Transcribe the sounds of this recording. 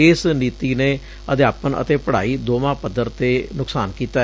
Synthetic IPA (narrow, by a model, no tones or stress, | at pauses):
eːsniːt̪iːneː | ət̪eːaːpənə̰t̪eːpəɽ̤a̰ːiːd̪oːmãːpəd̪əɾt̪eːnʊksaːnkiːt̪aː